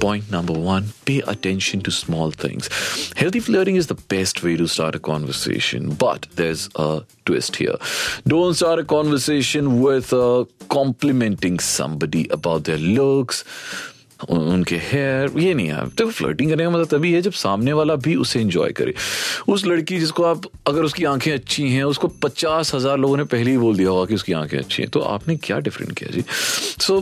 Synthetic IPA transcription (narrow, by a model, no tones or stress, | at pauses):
pɔ̃ːɪ̃nʈnɐ̃mbəɾʋɐ̃npeːʔə̰ʈɛ̃nʃə̃nʈusmɔːlt̪ʰɪ̰̃ŋz̥hɛlt̪ʰifləːʈɪ̃ŋɡɪzd̪əb̥ɛsʈʋeːɾusʈa̰ːɾʈəkɔ̰̃ːnʋəɾsḛːʃə̰̃nbɐ̰ʈd̪ɛːɾzəʈwɪ̰sʈhḭə̰ɾɖõːnʈsʈaːɾʈəkɔːnʋəɾseːʃə̃nwɪd̪əkɔ̃ːmplɪmɛ̃nʈɪ̃ŋɡsɐ̰̃mbəɖiʔəbaʊʈ̚d̪eːɾlʊks | ʊ̰nkehɛːɾjenɐɦĩa̰ːj̰t̪oflɐ̰ɪʈɪ̃ŋkɐɾnekamɐt̪lət̪ɐbʱiɛd͡ʒɐbsaːmneʋaːlabʱiʊseɪ̃nd͡ʒɔ̰ːjkɐ̰ɾʔḛ̃ːʊs̬lɐɽkid͡ʒɪskoaːpɐɡəɾʊskiãːkʰẽɐtːʃʰiɦɛ̃ʊskopɐt͡ʃaːsɦɐzaːɾloːɡõnepɛɦleiboːld̪ijaɦʊakiʊskiã̰ːkʰḛ̃ɐ̰tːʃʰḭ̃ɦɛ̰̃t̪oʔa̰ːpnekja̰ːɖɪfɾə̰̃ɳʈkija̰d͡ʒḭːsoː